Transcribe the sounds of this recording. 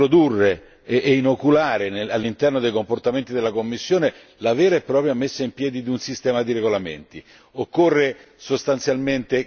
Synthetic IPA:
ɾod̪urːe | ʔːinokulaːɾenealːint̪ɛrnod̪ejkomport̪ament̪id̪elːakomːisːjoːne | lavɛːɾaepːɾɔːpɾjamesːaimpjɛːd̪id̪iunsist̪ɛːmad̪iɾeɡolamḛnt̪i | okːorːe | sost̪ant̪sjalment̪e

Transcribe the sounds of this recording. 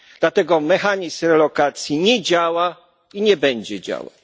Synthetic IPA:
d̪̥lat̪ɛɡɔmɛxaɲismɾɛlɔkat̪sʲjiɲɛd͡ʑawa | iɲɛbɛɲd͡ʑɛd͡ʑa̰wa̰w

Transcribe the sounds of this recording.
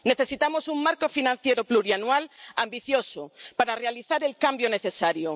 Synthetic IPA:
ne̞θesit̪amosuŋmaɾkofinãn̟θjeɾopluɾianwalambiθjosopaɾarealiθaɾe̞lkambjoneθe̞saɾjo

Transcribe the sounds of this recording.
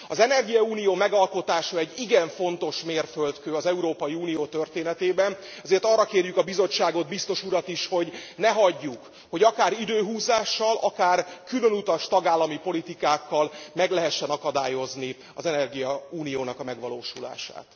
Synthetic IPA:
ɒzɛnɛrɡijɒuːnijoːmɛɡɒlko̞t̪aːʃɒɛɟːiɡɛɱfo̞nt̪o̞ʃmeːrfølt̪køːɒzɛuɾoːpɒjiuːnijoːt̪ø̞rt̪eːnɛt̪eːbɛn | ɛzeːrt̪ɒrːɒkeːrjykɒbizo̞t͡ʃːaːɡo̞d̪bist̪o̞ʃuɾɒt̪iʃho̞ɟnɛɦɒɟːuk | ho̞ɟɒkaːɾid̪øːɦuːzaːʃːɒlʔɒkaːrkylønut̪ɒʃt̪ɒɡaːlːɒmipo̞lit̪ikaːkːɒlmɛɡlɛɦɛʃːɛnɒkɒd̪aːjo̞zni | ɒ̰zɛnɛrɡijɒuːnijoːnɒkɒmɛɡʋɒlo̰ːʃula̰ːʃa̰ːt̪

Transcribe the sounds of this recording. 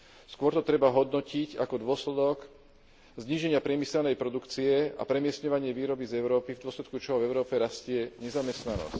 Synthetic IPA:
skʊɔɾt̪ɔt̪ɾɛbaɦɔd̪nɔcicakɔd̪ʊɔslɛd̪ɔk | zɲiːʒɛɲɪapɾɪɛmisɛlnɛjpɾɔd̪ukt͡siɛa̰pɾɛmɪɛst̪ɲɔʋaɲɪɛʋiːɾɔbizɛʊɾɔːpivd̪ʊɔslɛt̪̚kut͡ʃɔɦɔvɛʊɾɔːpɛɾascɪɛɲɛzamɛst̪nanɔ̰sc

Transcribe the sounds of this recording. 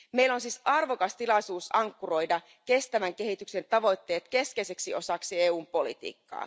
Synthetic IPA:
meilːo̞nsisɑrʋo̞kɑst̪ilɑjsuːsɑŋkːuro̞jdɑ | ke̞st̪æʋæŋke̞ɦit̪ykse̞nt̪ɑʋo̞jt̪ːe̞ːt̪ke̞skejseksio̞sɑksie̞ːuːmpo̞lḭt̪ḭːkːɑ̰ː

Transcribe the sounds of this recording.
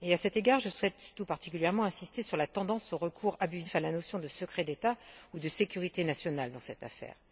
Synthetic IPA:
easɛt̪eɡaʁʒəswɛt̪ːupaʁt̪ikʲyljɛʁmɑ̃ɛ̃sist̪esyʁlat̪ɑ̃d̪ɑ̃soʁəkʰuʁabyzifalanosjɔ̃d̪əsəkχɛd̪et̪aud̪əsekʲyʁit̪enasjɔnald̪ɑ̃sɛt̪afɛ̰ːʁ

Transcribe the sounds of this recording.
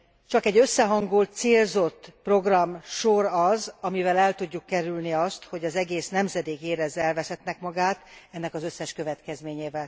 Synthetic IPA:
t͡ʃɒkɛɟø̞sːɛɦɒŋɡult̪̚seːlzo̞t̪ːpro̞ɡrɒmʃoɾɒzɒmivɛlɛlt̪uɟːukːɛɾylniɒst̪ho̞ɟɒzɛɡeːsnɛmzɛd̪eːkeːɾɛzːɛlvɛsɛt̪nɛkmɒɡaːt̪ɛnːɛkɒzø̞sːɛʃkø̞vɛt̪kɛzmeːɲeːvɛl

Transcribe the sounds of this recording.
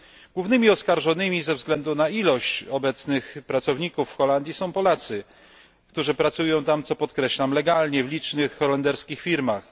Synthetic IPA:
ɡ̥wuvnɘmʲiɔskaɾʐɔnɘmʲizɛvzɡlɛnd̪unailɔɕt͡ɕɔbɛt̪snɘxpɾat̪sɔvɲikufːxɔland̪ʲjisɔ̃w̃pɔlat̪sɘ | kt̪uʐɘpɾat̪sujɔ̃w̃t̪amt̪sɔpɔt̪kɾɛɕlamlɛɡalɲɛvlʲit͡ʂnɘxːɔlɛnd̪ɛɾskʲixfʲiɾmax

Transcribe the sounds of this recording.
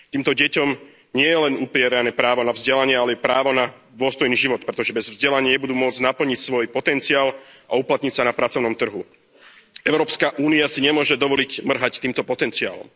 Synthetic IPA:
t̪iːmt̪ɔɟɛcɔm | ɲɪɛjɛlɛnupɾɪɛɾanɛːpɾaːʋɔnavzɟɛlaɲɪɛalɛɛpɾaːʋɔna | d̪ʊɔst̪ɔjniːʒiʋɔt̪̚pɾɛt̪ɔʒɛbɛzvzɟɛlaɲɪjɛbud̪uːmʊɔd͡zɟnapl̩ɲicsʋɔjpɔt̪ɛnt͡siaːlʔauplat̪ɲicsanapɾatt͡sɔʊnɔmt̪r̩ɦu | ɛʊɾɔːpskaʔuːniasiɲɛmʊɔʒɛd̪ɔʋɔlicmr̩ɦact̪iːmt̪ɔpɔt̪ɛnt͡sia̰ːlɔ̰m

